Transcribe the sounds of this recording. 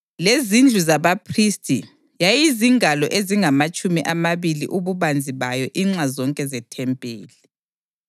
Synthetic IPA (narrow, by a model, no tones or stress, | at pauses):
lezind͡ɮʱuzaβapʰristʼḭ | jajiziŋalɔʔeziŋamat͡ʃʼumiʔamaβilḭʔuβuβand͡zʱiβajɔʔiŋ͡ǁazɔŋkʼɛzɛtʰɛmpʼeːli